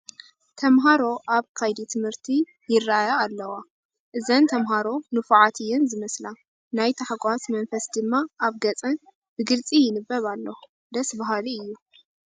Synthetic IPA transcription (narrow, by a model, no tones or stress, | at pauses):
t̪ʰɐmɦaɾo̞ʔaβkʰajd̪it̪ʰɨmhɨɾt̪ʰi | jɪrːaajaːlːɐwa | ʔɨzɐnt̪ʰɐmɦaɾo̞nɨfʕat̪ʰɨjːɛnzɨmɐsla | najt̪ʰaħaɡʷʼasmɐnfɐsd̪ɨmːaʔaβɡɐt͡sʼɐn | bɨɡɨlt͡sʼijɪnɨbːɐβalːo | d̪ɐsbaɦaliɨjːu